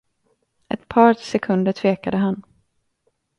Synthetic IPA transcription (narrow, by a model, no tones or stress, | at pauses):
ɛ̰t̪pʰɑːɾsɛkʰɵnd̪əʈʰv̥eːkad̪əɦan